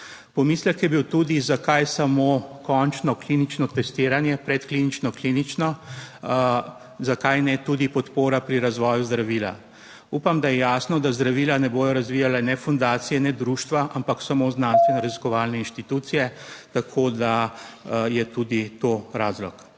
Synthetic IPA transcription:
pɔmiːslɛkjɛbiwt̪uːd̪izakajsamokɔnt͡ʃnɔkliːnit͡ʃnɔt̪ɛst̪ɪːɾanjɛpɾɛt̪klinit͡ʃnɔklinit͡ʃnɔ | zakajnɛt̪ud̪ipɔt̪poːɾapɾiɾazʋɔːjuzd̪ɾaʋiːla̰ | uːpamd̪ajɛjaːsnɔd̪azd̪ɾaʋiːlanɛboːj̪ɔɾazʋiːjalanɛfund̪aːt̪sijɛnɛd̪ɾuːʃt̪ʋaʔampaksamoznaːnst̪ʋɛnɾaziskɔʋaːlnɛinʃt̪it̪uːt̪sijɛt̪akʰoːd̪a | jɛt̪uːd̪it̪oɾaːzlɔk

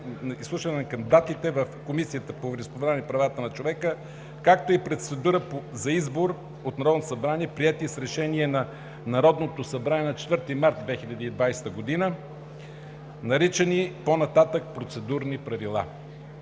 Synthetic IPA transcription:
islˠuʃvənɛnɐkɐmd̪at̪it̪ɛvəfkomisiət̪əpovɾɛspovɛɾanipɾɐvat̪ənɐt͡ʃovɛkə | kakt̪oipɾot̪sɛd̪uɾəpozɐizboɾ | ot̪nɐɾɔd̪not̪osɐbɾaniɛpɾiɛt̪isɾɛʃɛniɛnɐ | nɐɾɔd̪not̪osɐbɾaniɛnɐt͡ʃɛ̥t̪vəɾt̪imaɾt̪̚d̪vɛxilʲɐd̪iːd̪vajst̪əɡod̪inə | nɐɾit͡ʃɛniponɐt̪at̪ək̚pɾot̪sɛd̪uɾnipɾɐvilˠa̰

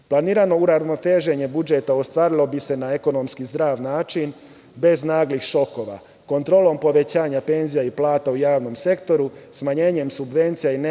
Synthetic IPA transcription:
plˠaniːɾano̞uɾazmot̪eʒe̞ɲe̞bud͡ʒe̞t̪aost̪ʋaːɾilˠo̞bise̞naeko̞no̞mskizd̪ɾaːʋnaːt͡ʃin | be̞znaːɡlixʃo̞ko̞ːʋa̰ | ko̞nt̪ɾo̞ːlˠo̞mpo̞ʋe̞t͡ɕaːɲape̞nzijaiplˠaːt̪aujaːʋno̞mse̞kt̪o̞ɾusmaɲe̞ːɲe̞msubʋe̞nt̪sijaine

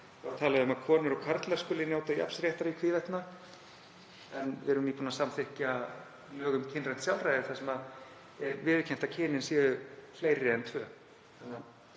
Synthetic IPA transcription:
t̪ʰaːlaðʏʏmaðkʰɔːnʏɾɔkʰaɾt̪laɾskʏːlɪnjaːwt̪aja̰pnsɾjɛht̪aɾikʰviːvɛht̪na | ɛnvɪɾʏmniːpunasamθɪhca | lœːɣʏmcʰɪnrɛn̥t̪sjawlrajðɪθasɛmað | ɛvɪːðɪcʰɛm̥t̪acʰɪːnɪnsɛːðʏfleːjɾɪɛnt̪ʰvœː | θana

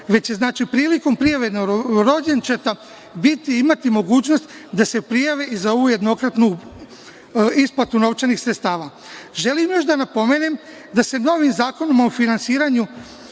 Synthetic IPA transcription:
ʋe̞t͡ɕje̞znaːt͡ʃipɾiːliko̞mpɾijaʋenoɾo̞d͡ʑent͡ʃet̪a | bit̪iimat̪imo̞ɡuːt͡ɕno̞st̪d̪ase̞pɾijaʋeʔizao̞ʋuːje̞d̪no̞kɾat̪nu | isplat̪uno̞ʋt͡ʃenixsɾet̪st̪aːʋa | ʒe̞limjo̞ʃd̪anapo̞me̞ːnem | d̪ase̞no̞ʋimzaːko̞nomaofinansiːɾaɲu

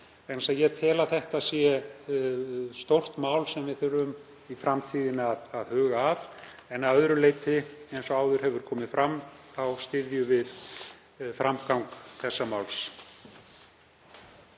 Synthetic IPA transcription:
ensajɛt̪ʰɛːlaθɛht̪aðsjɛ | st̪owr̥t̪maːwlsɛmvɪθʏɾʏm | ifɾamt̪ʰiːðɪnaðaðhœːɣaːvɛnaœðɾʏleːjt̪ɪejnsɔaːwðʏɾ̥ɦɛvʏɾ̥kʰɔːmɪfɾamθawst̪ɪðjʏvɪð | fɾamkawŋkθɛsːamawls

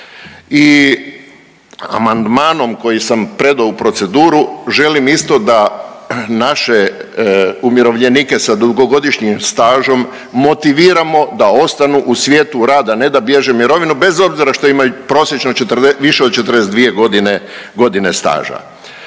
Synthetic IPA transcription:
i | a̰mand̪maːno̞mko̞jisampɾe̞d̪aupɾo̞t̪se̞d̪uːɾuʒe̞limist̪o̞d̪a | naʃe̞ | umjeɾo̞ʋʎe̞niːke̞sad̪uɡo̞ɡo̞d̪iʃɲimst̪aːʒo̞mː | o̞t̪iʋiːɾamo̞d̪ao̞st̪anuʔusʋjeːt̪uɾaːd̪ane̞d̪abje̞ʒemiɾo̞ʋinube̞zo̞bziɾaʃt̪o̞imajupɾo̞ːsjet͡ʃnot͡ʃet̪reʋiʃe̞ot͡ʃet̪ɾd̪es̬ed̪ʋije̞ɡo̞d̪ine | ɡo̞d̪ine̞st̪a̰ːʒa̰

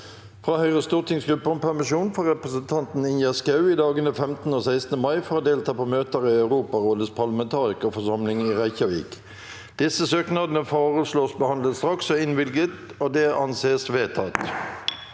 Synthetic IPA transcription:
fʁɑːhœʏʁəst̪uːʁt̪ʰɪŋsɡʁʉpːəɔmpʰæʁmɪʃuːnfɔʁɛpʁəsənt̪ʰɑnt̪n̩ɪnjæskɑʉiːd̪ɑːɡənəfɛmt̪n̩oːsæɪsnəmɑɪfɔʁoːd̪eːlt̪ʰɑːpoːmøːt̪əʁiːɑʉʁuːpɑʁoːd̪əspʰɑʁlɑmɛnt̪ʰɑːʁɪkːfɔsɑmlɪŋiːʁæɪçɑʋḭːk | d̪̥ɪsəsøːknɑd̪ənəfoːʁəsloːsbəhɑnd̪lət̪st̪ʁɑksɔɪnʋɪlɡət̪ | oːd̪ɛʔɑnseːsʋeːt̪ʰɑt̪

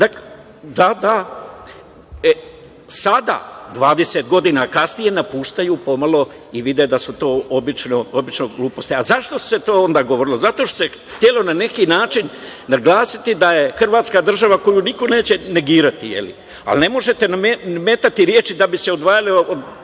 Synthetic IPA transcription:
d̪ak | d̪ad̪a | e | sad̪a̰d̪ʋaːd̪eset̪̚ɡo̞d̪inakasnije̞napuːʃt̪ajupo̞malˠo̞ | iʋid̪ed̪asut̪o̞ːobit͡ʃnoobit͡ʃnoɡlˠuːpo̞st̪iazaʃt̪o̞set̪o̞ːond̪aːɡo̞ʋoɾilo̞zat̪o̞ʃt̪ose | xt̪je̞lo̞nane̞kinaːt͡ʃinː | aɡlˠaːsit̪id̪aje̞xr̩ʋaːt̪skad̪r̩ʒaʋako̞juniko̞ne̞ːt͡ɕe̞ne̞ɡiːɾat̪ijḛlḭ | a̰lne̞mo̞ʒe̞t̪enameme̞ːt̪at̪iɾjeːt͡ʃid̪abiseo̞d̪ʋaːjaliod̪

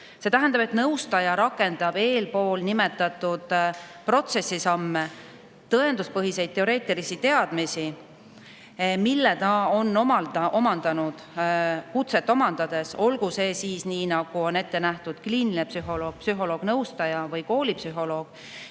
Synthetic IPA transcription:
se̞t̪æɦænd̪ɑbe̞t̪nɤwst̪ɑjɑɾɑkːˑe̞nd̪̥ɑb̥e̞ːlpo̞ːlnime̞t̪ːˑɑt̪ːud̪̥pro̞t̪se̞sːisɑmːe̞ | t̪ɤe̞nd̪uspɤɦise̞jd̪̚t̪ːe̞o̞ɾe̞ːt̪ːˑilisit̪e̞ɑd̪̥misi | milːet̪ɑo̞nːomɑlɑʔo̞mɑnd̪̥ɑnud̪̥kut̪se̞t̪ːˑo̞mɑnd̪̥ɑd̪̥e̞so̞lɡuse̞ːsiːsniːnɑɡ̥uo̞ne̞t̪ːe̞næht̪ud̪̥kliːnilnepsyɦo̞lo̞ːɡ̥̚psyɦo̞lo̞ːɡ̥nɤwst̪ɑjɑvɤjko̞ːlʲipsyɦo̞lo̞ːɡ̥

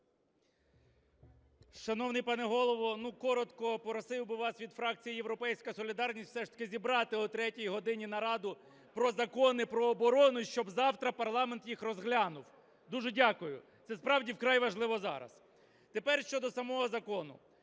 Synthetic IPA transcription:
ʃɐnɔwnɪjpɑnɛɦɔlˠɔʋɔnukɔɾɔt̪kɔpɔɾɔsɪwbɪʋɑsʋʲid̪fɾɑkt͡sʲijijewɾɔpɛjsʲkɐsɔlʲid̪ɑrnʲistʲw̥fsɛʃt̪ɐ̥kʲɪzʲibɾɑt̪ɪʊt̪ɾɛtʲijiɦɔd̪ɪnʲin̪ɐɾɑd̪ʊ | pɾɔzɐkɔnɪpɾɔːbɔɾɔnʊʃt͡ʃɔbzɑwt̪ɾɐpɐrlˠɑment̪jixrɔzɦlʲɑnʊw | d̪uʒɛdʲakʊjʊ̰t̪sɛspɾɑwdʲiwkɾɑjʋɐʒlˠɪʋɔzɑ̰ɾɐ̰s | t̪epɛrʃt͡ʃɔd̪ɔsɐmɔɦɔzɐkɔnʊ̰

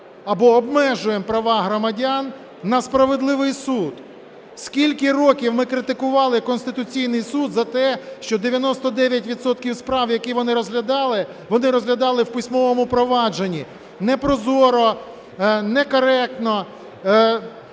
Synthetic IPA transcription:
ɐbɔːbmɛʒʊjempɾɐʋɑɦɾɔmɐdʲanː | ɐspɾɐʋed̪lˠɪʋɪjsud̪ | skʲilʲkɪrɔkʲiwmɪkɾɪt̪ɪkʊʋɑlˠɪkɔnsʲt̪ɪt̪ʊt͡sʲijnɪjsud̪zɐt̪ɛʃt͡ʃɔd̪eʋʲjɐnɔst̪ɔd̪ɛʋʲjɐtʲʋʲid̪sɔt̪kʲiwspɾɑwjɐkiʋɔnɪɾɔzɦlʲɐd̪ɑlˠɪ | ʋɔnɪɾɔzɦlʲɐd̪ɑlˠɪwpɪsʲmɔʋɔmʊpɾɔʋɑd͡ʒenʲːi | nɛpɾɔzɔɾɔ | nɛkɔɾɛk̚t̪nɔ

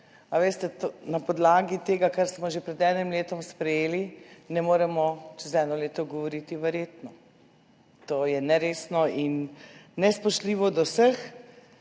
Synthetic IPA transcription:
aʋeːst̪ɛt̪onapɔd̪laːɡit̪eːɡakaɾsmɔʒepɾɛd̪ɛnimleːt̪ɔmspɾɛjeːlinɛmoːɾɛmɔt͡ʃɛzɛnɔleːt̪ɔɡɔʋɔɾit̪iʋɛɾjeːt̪nɔ | t̪oːjɛnɛɾeːsnɔinːɛspɔʃtliːʋɔd̪ɔwsəx

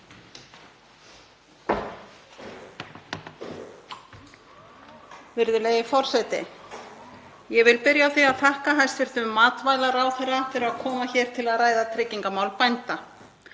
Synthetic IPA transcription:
vɪɾðʏleːjɪfɔr̥sɛjt̪ɪ̰ | jɛvɪlpɪɾjaːwθiaðθahkaɦajst̪vɪɾ̥t̪ʏmːaːt̪vajlaɾawθɛrːat̪ɪɾaðkʰɔːmaçɛːɾ̥t̪ʰɪlaðraːjðat̪ʰɾɪcːiŋkamaːwlpajnt̪a

